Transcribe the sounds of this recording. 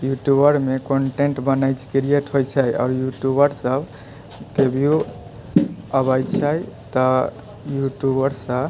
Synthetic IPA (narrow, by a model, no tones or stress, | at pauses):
juʈjubəɾmekoɳʈeɳʈbənajt͡ʃʰkiɾieʈɦojt͡ʃʰəjɔ̰ːɾjuʈjubəɾsəb | kebʱiu | əbajt͡ʃʰəjt̪ɔ | juʈjubəɾsə̃